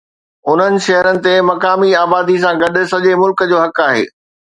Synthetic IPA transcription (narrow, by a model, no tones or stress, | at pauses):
ʊn̤ənɪ̆ʃɐɦəɾənɪ̆t̪emɐkaːmiaːbaːd̪is̬ãɡɐɗʊ̆sɐʄemʊlkəd͡ʑoːɦɐkaːɦḛː